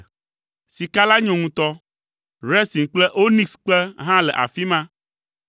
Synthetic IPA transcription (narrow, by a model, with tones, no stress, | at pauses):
si˨ka˦la˦ɲɔ̃˨ŋũ˨t̪ɔ˦ | ɾɛ˦si˨ŋ˨k͡plɛ˦ʔo˦nĩ˦sk͡plɛ˦ɦã˦lɛ˨ʔa̰˨fi˦mã˦